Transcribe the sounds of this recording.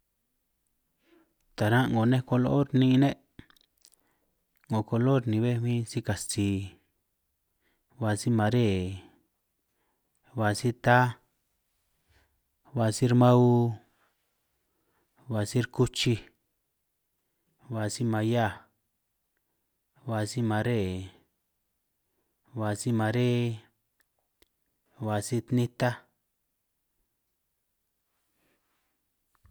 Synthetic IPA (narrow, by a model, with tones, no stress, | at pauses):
t̪a˨ɾã˦ŋɡo˨˧nẽ˦ko˧lo˦o˦ɾnĩ˧˦˧nẽ˦ʔ | ŋõ˨ko˧lo˦ɾnĩ˨˧βe˦mĩ˦si˦ka˨st͡siː˨ | βa˧si˦mã˧ɾe˦˨ | βa˧si˦t̪a˦ | βa˧si˦ɾmã˦u˦ | βa˧si˦ɾku˦t͡ʃi˧ | βa˧si˦mã˧ja˦˨ | βa˧si˦mã˨˧ɾe˦˨ | βa˨si˦mã˨˧ɾe˦˧ | βa˨si˦t̪nĩ˦t̪a˦